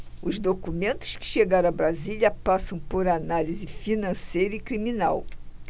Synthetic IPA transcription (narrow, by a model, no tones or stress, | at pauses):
ʊzd̪okumẽnt̪ʊ̥skɪ̥ʃeɡaɾɐ̃bɾaziliɐpasɐ̃w̃poɾanalizɪfinɐ̃sejɾɐikɾiminaw